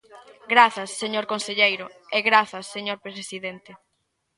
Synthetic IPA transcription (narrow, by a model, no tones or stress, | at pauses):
ɡɾaθɐsːeɲoɾkonseʎejɾʊeɣɾaθɐsːeɲoɾpɾesesiðent̪e